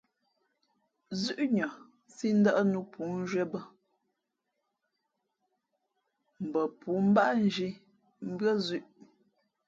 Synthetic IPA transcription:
zʉ˦ʔɲɔ˨ | si˦n̩˦də˦ʔnu˦pʰu˨˦n˦ʒwɛ˦bə˦ | m̩˨bə˨pu˨˦m̩˦ba˦ʔn˦d͡ʒi˦ | m̩˦bɰə˦zʉ˦ʔ

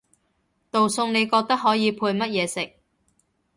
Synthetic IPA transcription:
t̪o˨wsʊ˧ŋne˨˧jkɔː˧k̚t̪ɐ˥k̚ɦɔː˨˥jiː˨˧pʰuː˧jmɐ˥t̚jɛː˨˧sɪ˨k̚

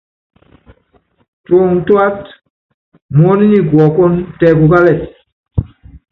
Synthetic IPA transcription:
to˨ŋtu˦a˦t | mo˦ni˦ni˦ɡu˨ɔ˨ko˦ntɛ˨ɡu˨ɡa˦lɛ˦˨

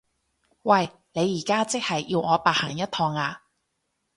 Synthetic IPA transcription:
wɐ˨j | ne˨˧jːiː˨˩kaː˥t͡sɪ˥k̚hɐ˨jːiː˧wŋɔː˨˧paː˨hɐː˨˩ŋjɐ˥t̪̚ʰɔː˧ŋaː˧

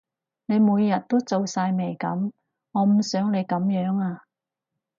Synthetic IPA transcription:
ne˨˧jmuː˨˧jːɐ˨t̚t̪o˥wt͡so˨wsaː˧jme˨˩jkɐ̰˨˥m | ŋɔː˨˧m̩˨˩sœː˨˥ŋne˨˧jkɐ˨˥mjœː˨˥ŋaː˧

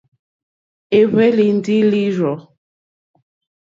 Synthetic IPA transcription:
e˨βe˦li˨n˨di˦li˦ɾɔ˨

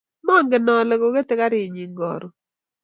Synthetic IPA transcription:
mɔ˦ŋɡɪ˨nɔ˨lɛ˨ko˨ke˦t̪ɪ˦ka˦ɾɪ˨ɲi˨ŋɡɔ̰˨ɾɔ˨

